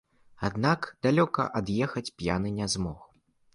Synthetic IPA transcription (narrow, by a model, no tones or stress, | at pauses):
ad̪nakd̪̥alʲɔkɐ̰ʔɐd̪jɛxɐt͡sʲpʲja̰nɨnʲɛzmɔ̰x